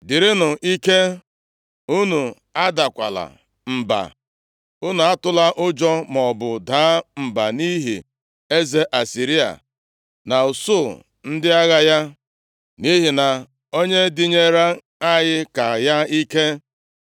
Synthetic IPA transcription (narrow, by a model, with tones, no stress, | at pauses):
dɪ˨ɾɪ˦nʊ˨ʔi˦ke˦ | u˦nu˨ | a˦da˨kʷa̰˨la̰˨ | m̩˨ba̰˨ | u˦nu˨a˦tʊ˦la˦ʔʊ˦d͡ʒɔ˦mɔ˨bʊ˨daː˦m̩˨ba̰˨ni˦ɦḭ˨ | e˦ze˦ʔa˨si˨ɾi˦a̰˨ | na˨u˨so˦˨ | n̩˦dɪ˦a˦ɣa˦ja˦ | ni˦ɦi˨na˨ | o˦ɲe˦dɪ˦ɲe˦ɾa˦ | a˦jɪ˦ka˨ja˦i˦ke˦